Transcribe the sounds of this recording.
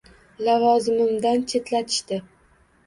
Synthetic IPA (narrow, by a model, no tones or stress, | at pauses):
lavɒzɪmɪmd̪ant͡ʃʰet̪ʰlat̪ʰɪ̥ʃt̪ɪ